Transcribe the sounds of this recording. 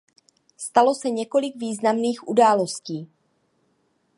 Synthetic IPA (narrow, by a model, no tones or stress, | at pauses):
st̪alo̞sɛɲɛko̞lɪɡviːznamniːxʔudaːlo̞sciː